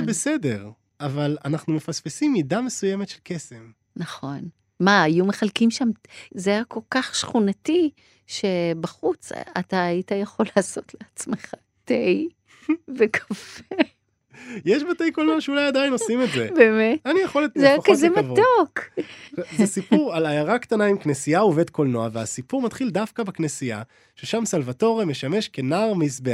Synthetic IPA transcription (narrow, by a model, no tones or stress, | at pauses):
besede̞ʁ | avalanaχnume̞fasfesimːidame̞sujemet̪ʃelkesem | naχo̞n | maːjumeχalkimʃamzejakʰo̞lkaχʃχunati | ʃe̞baχut͡sa̰taːitajaχo̞laːso̞tleat͡smeχa | tej | vekʰḁfe | jeʃbatejkolnoaʃeulajad̪ajino̞simetzebemetanijaχolezejaχkzemavtok | zesipuʁalajaʁakt̪anaimknesiaove̞d̪ko̞lno̞aveasipuʁmat̪χild̪afkabeknesia̰ | ʃeʃamsalvato̞ʁeme̞ʃame̞ʃkenaʁmisbea